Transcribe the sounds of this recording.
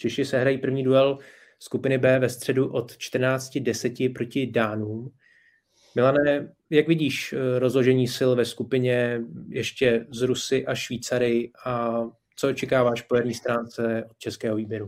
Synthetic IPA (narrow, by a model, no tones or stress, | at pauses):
t͡ʃɛʃɪsɛɦɾajiːpr̩vɲiːduɛl | skupɪnɪbɛːvɛst̪r̝̥ɛduʔo̞t̪t͡ʃt̪r̩naːt͡scɪdɛsɛcɪpɾo̞cɪdaːnuːm | mɪlanɛː | jakvɪɟiːʃɾo̞zlo̞ʒɛɲiːsɪlvɛskupɪɲɛjɛʃcɛzɾusɪʔaʃviːt͡saɾɪɪʔa | t͡soot͡ʃɛkaːvaːʃpojɛɾɲiːst̪ɾaːnt͡sɛʔot̪̚t͡ʃɛskɛːɦo̞viːbjɛɾu